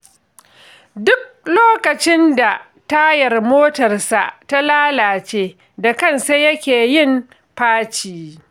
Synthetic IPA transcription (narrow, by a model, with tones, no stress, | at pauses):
dʊ˦k̚loː˦kɐ˨t͡ʃɪ˦nda˨ | ta˦jɐ˨rmoː˦tɐ˨rsa̰˨ʔta˦laː˦laː˨t͡ʃeː˦ | da˨kɐ˦nse˦jɐ˦kʲeː˨jɪ˦m | ɸaː˦t͡ʃiː˦